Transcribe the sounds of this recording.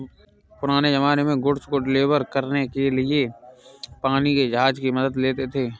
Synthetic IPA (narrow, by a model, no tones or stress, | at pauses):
pʊɾaːnezɐmaːnemẽɡʊɽskoɖɪleːʋəɾkəɾnekelie | paːniked͡ʒɐɦaːd͡ʒkimɐd̪əd̪leːt̪et̪ʰeː